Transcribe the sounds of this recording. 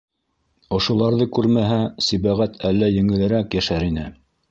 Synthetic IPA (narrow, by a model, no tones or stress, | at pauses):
ŏʃŏlˠɑɾðɤkʉɾmæɦæsiβæʁæt̪ʰælːæjɘ̆ŋɘ̆lɘ̆ɾækjæʃæɾinɘ